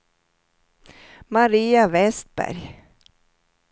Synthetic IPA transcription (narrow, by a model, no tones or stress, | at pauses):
maɾiːavɛst̪̚bæ̰ɾj